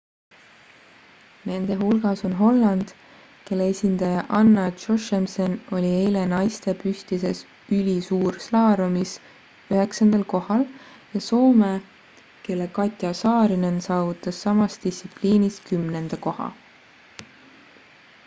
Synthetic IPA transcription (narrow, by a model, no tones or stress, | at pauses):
ne̞nd̪̥e̞ɦulɡ̥ɑso̞nɦo̞lːɑnd̪̥ | ke̞lːeesʲind̪̥ɑjɑʔɑnːɑt͡ʃo̞ʃemseno̞lʲiejle̞nɑjst̪e̞pyst̪ise̞s | ylʲisuːɾslɑːɾumis | øɦe̞ksɑnd̪̥ɑlko̞hɑl | jɑso̞ːme | ke̞lːe̞kɑt̪ʲˑjɑsɑːɾinensɑːvut̪ːˑɑsːɑmɑst̪isipliːniskymne̞nd̪̥ɑko̞hɑ̰